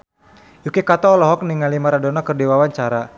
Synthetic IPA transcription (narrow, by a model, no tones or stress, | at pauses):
jukekat̪ɔːlɔɦɔk̚niŋalimaɾadɔnakərdiwawaɲt͡ʃaɾa